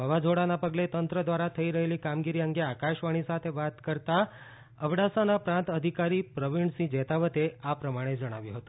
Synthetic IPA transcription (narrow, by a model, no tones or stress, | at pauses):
ɦəʋad͡ʒʱoɽanapəɡlet̪ənt̪ɾəd̪ʋaɾat̪ʰəiɾəɦelikamɡiɾiəŋɡeakaʃʋaɽ̃isat̪ʰeʋat̪kəɾt̪a | əʋɽasanapɾãnt̪əd̪ʱikaɾipɾəʋiɳsĩd͡ʒɛt̪aʋət̪eapɾəmaɽ̃ed͡ʒəɽ̃aʋjũɦət̪ũ̥